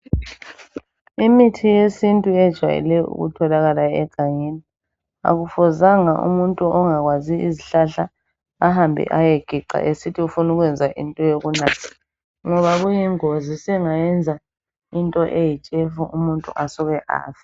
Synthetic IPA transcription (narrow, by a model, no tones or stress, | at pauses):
imitʰijesintʼuɛd̥ʒ̥ʱwa̰jḭlɛjɔṵɣṵtʰɔlaɣalaɛ̰ɡ̥ʱaŋini | a̰ɣufɔzaŋaʔṵmuntʼuɔŋaɣwaziiziɬaɬaː | ɦambʱḭʔajeɡ̥ʱiǃa̰ʔesitʰiufunuɣwɛnd͡zʱaʔḭntʼɔjoɣunaːtʰi̥ | ŋɔβaɣujiŋozisɛŋajɛnd͡zʱa | intʼɔʔejit͡ʃʼefuʔumuntʼṵʔasɔɣɛʔa̰ːfḁ